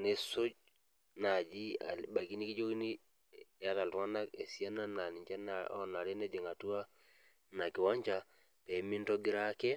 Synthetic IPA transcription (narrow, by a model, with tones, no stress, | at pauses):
ne˦so˦d͡ʒ | na˨d͡ʒi˦a̰˨lba˨ki˦ni˦ki˦d͡ʒo˦ki˦ni˦ | a˦ta˨ltu˨a˦na˦ke˨si˦a˦na˦na˨ni˨t͡ʃa˦nao̰˦na˨ɾe˦ne˦d͡ʒe˨ŋa˨tu˦wa˦ | na˨ki˨wa˦ɲt͡ʃa˦ | pɛ˨˦mi˦nto˦ɡi˦ɾa˦kɛ˦